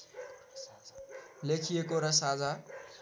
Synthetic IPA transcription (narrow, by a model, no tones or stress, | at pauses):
lekʰijekoɾʌsad͡za